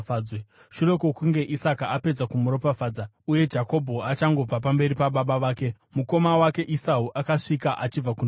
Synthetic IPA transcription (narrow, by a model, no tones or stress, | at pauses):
aːd͡zwe | ʃure̞kokuŋɡe̞ʔisakaape̞d͡zakumuɾo̞pafaːd͡za | uje̞d͡ʒako̞bʱo̞at͡ʃaŋɡo̞b͡vapambe̞ɾipaɓaɓaʋaːke̞ | muko̞mawake̞ʔisauʔakaʂikaʔat͡ʃib͡vakun